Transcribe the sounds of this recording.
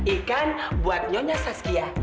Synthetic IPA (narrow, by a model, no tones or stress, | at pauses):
ikanbuat̪̚ɲɔɲasaskia